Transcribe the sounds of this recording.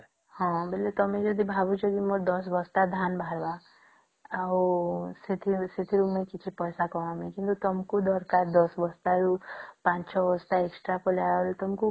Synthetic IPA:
hɔ̃belet̪ɔmẽd͡ʒɔd̪ibʱabut͡ʃɔd̪imɔɾd̪ɔs̬bɔst̪ad̪ʱanbʱaɾba | awset̪ʰiset̪ʰiɾumẽkit͡ʃʰipɔjsakɔʋamẽkint̪ut̪ɔmkud̪ɔɾkaɾd̪ɔsbɔst̪aɾupãt͡ʃʰɔbɔst̪aeksʈɾapɔljalet̪ɔmku

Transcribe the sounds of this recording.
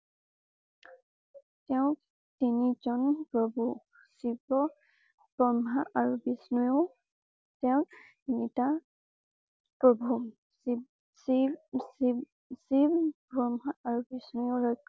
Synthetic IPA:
tɛʊ̃ | tinizɔnpɹɔbu | sibɔ | b̥ɹɔmɦaʔaɹubisnujɔ | tɛʊ̃k | inita | pɹɔbʱu | si | sis | sibbɹɔmɦaʔaɹubisnujɔɹɔt

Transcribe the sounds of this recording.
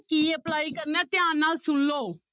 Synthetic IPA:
kiːəplaːikəɾnãːt̪ɪãːnaːlsʊlːoː

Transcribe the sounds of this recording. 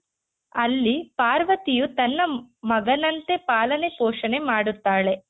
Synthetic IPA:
ɐlːipaːɾʋɐt̪ijut̪ɐnːɐmɐɡɐnɐnt̪e̞paːlɐne̞poːʂɐne̞maːɽut̪ːaːɭe̞

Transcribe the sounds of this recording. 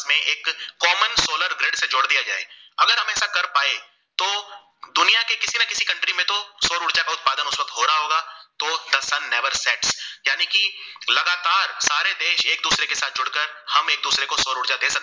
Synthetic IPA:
mẽʔeːkːɔːmənsoːləɾɡɾeːɖsed͡ʒʊːɽd̪ijad͡ʒa̰ːḛɐɡəɾɦɐ̃mɛːsakɐɾpaːe | t̪oː | d̪ʊnijakekɪsinakɪsikɐ̃ɳʈɾimẽt̪osoːɾʊɽt͡ʃakaʊt̪̚paːd̪ənʊswɐk̚t̪ɦoːɾaɦaɦoːɡaːt̪od̪ɐsɐnːɛʋəɾsɛːʈsjaːnikilɐɡaːt̪aːɾsaːɾed̪eːʃeːk̚d̪uːsɾekesaːt̪̚d͡ʒʊɽkəɾ | hɐmeːk̚d̪uːsɾekosoːɾʊɽt͡ʃad̪eːsɐk̪̚e

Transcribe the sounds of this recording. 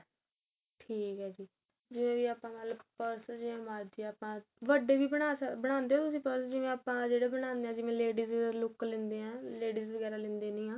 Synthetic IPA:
ʈʰiːkɦɛːd͡ʒiː | d͡ʒɪʋẽːʋiːaːpãːnaːlpəɾsd͡ʒɪẽːmaːɾd̪iːaːpãː | ʋəɖeːʋiːbəɽ̃aːsbəɽ̃ãːnd̪eːoːt̪ʊsĩːpəɾsd͡ʒɪʋẽːaːpãːd͡ʒeːɽeːbəɽ̃ãːnd̪eːãːd͡ʒɪʋẽːleːɖiːzʋɡɛːɾlʊklẽnd̪eːɦãːleːɖiːzʋəɡɛːɾaːlɪ̃nd̪eːnĩːɦãː

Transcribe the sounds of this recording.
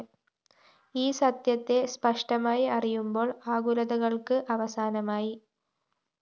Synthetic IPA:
iːsɐt̪jɐt̪ːe̞spɐʂʈɐmaːjiɐrijumbo̞ːɭaːɣulɐðɐɣɐɭkɨʔɐʋɐsaːnɐmaːji

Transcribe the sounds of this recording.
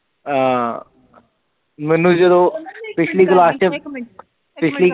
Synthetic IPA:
aː | mɛnũːd͡ʒəd̪õːpɪt͡ʃʰliːklaːst͡ʃə | pɪt͡ʃʰliː

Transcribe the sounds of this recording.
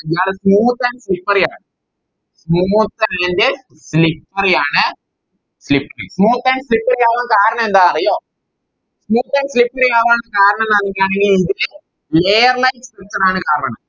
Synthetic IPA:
d͡ʒaːɾɯsmuːt̪ːɐnslɪpːɐɾjaːn | smuːt̪ːɐɐnd̪ɯ | slɪpːɐɾɐjaːnɐ | slɪpːɐɾɐ̰smuːt̪ːɐnslɪpːɐɾjaːʋãːkaːɾɐɳɐ̃ɛnd̪aːɐɾɐjoː | smuːt̪ːɐnslɪpːɐɾjaːʋaːnɐkaːɾɐɳɐnɐnɪŋkaːnɐŋiɪðɯle | leːjɐɾlɐɪʈspɐɾt̪ːɐɽaːnɐkaːɾɐɾɐnɐ̃

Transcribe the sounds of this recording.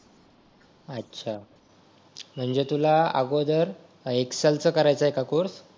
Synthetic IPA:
ətːɕʰa | m̤əɳd͡zet̪ulaa̰ɡod̪əɾ | eksalt͡səkəɾajt͡səɦekakuɾs

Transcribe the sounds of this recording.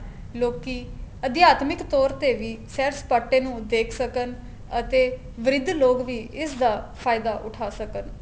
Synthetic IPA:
loːkiːəd̪jaːt̪mɪkt̪ɔːɾt̪eːʋiːsɛːɾspaːʈːẽːnũːd̪eːkʰsəkən | ət̪eː | ʋɪɾɪd̪loːkʋiːɪsd̪aːpʰaːɪd̪aːʔʊʈʰaːsəkən

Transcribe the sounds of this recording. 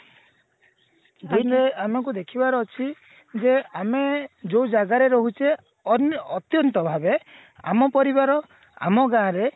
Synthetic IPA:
d̪inɾeamekud̪ekʰibaɾɔɔt͡ʃʰi | d͡ʒeamed͡ʒowd͡ʒaɡaɾeɾɔɦut͡ʃʰe | ɔnɔt̪jɔnt̪ɔbʱabe | a̰mɔpɔɾibaɾɔ | a̰mɔɡãɾe

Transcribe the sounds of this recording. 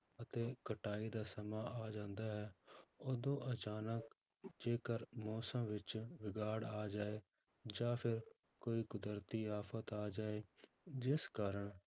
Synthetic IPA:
ət̪eːkəʈaːiːd̪aːsəmaːʔaːd͡ʒãːnd̪aːɦɛːoːd̪õːʔət͡ʃaːnək | d͡ʒeːkəɾmɔːsəmʋɪt͡ʃʋɪɡaːɽaːd͡ʒaːeː | d͡ʒãːpʰɪɾ | koːiːkʊd̪əɾt̪iːaːpʰət̪aːd͡ʒaːeː | d͡ʒɪskaːɾəɳ

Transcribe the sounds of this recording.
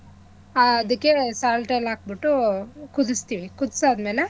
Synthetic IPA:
aɐd̪ɐkːe̞saːlʈejlaːk̚biʈːukud̪ust̪iːʋikud̪saːd̪meːle

